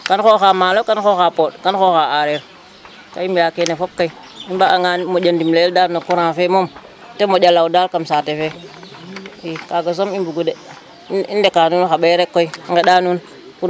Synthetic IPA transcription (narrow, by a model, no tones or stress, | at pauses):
kanxoxamalokanxoxapodkanxoxaaɾeɾ | kaimijakenefob̚kai | imbaaŋamod͡ʒandimleldaɾnokuɾãfemom | temod͡ʒalaudalkamsatefe | ikaɡas̬omimbuɡude | indekaːnunxaɓeɾekːoiaŋɡaɗaːnun | kuɾ